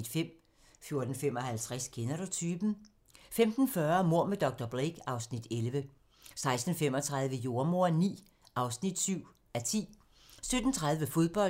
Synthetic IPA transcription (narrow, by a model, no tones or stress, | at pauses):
d̥fem̰ | fjo̝ɐd̥n̩fem̰ɒ̽hælt͡sʰʁaskʰenæɾot͡sʰyːb̥n̩ | femd̥n̩fɶɐmo̝ɐ̰med̥ɒ̽ɡ̥̚d̥ɒb̥ʁeɡ̥ɑ̈ʊsnid̥elʋə | sɑ̈ɪsd̥n̩fem̰ɒ̽t͡sʰʁäð̞ˠʋəjo̝ɐmo̝ɐ̰nḭː | ʔɑ̈ʊsnid̥syʊ̰ | æt͡sʰḭː | sød̥n̩t͡sʰʁäðˠʋəfo̝ðˠb̥ɒ̽